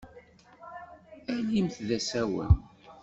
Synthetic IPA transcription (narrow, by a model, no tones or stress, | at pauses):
ælimθðæsæwə̰n